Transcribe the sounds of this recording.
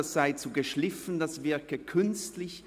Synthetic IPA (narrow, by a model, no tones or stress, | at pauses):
asz̥aɪt͡suɡəʃlɪfn̩dasvɪɐkəkʰʏnstlɪç